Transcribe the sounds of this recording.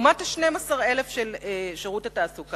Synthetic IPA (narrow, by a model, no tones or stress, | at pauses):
mataʃnemasaʁe̞le̞fʃeleʃeʁutataːsuk